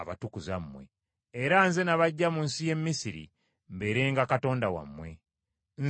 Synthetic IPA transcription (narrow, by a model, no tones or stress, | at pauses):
aβa̰tukuzamːwḛː | ɾanze̞naβaɟːamunsije̞mːisiɾḭ | mbe̞ɾe̞ːŋɡakato̞ːndawa̰mːwe̞ | n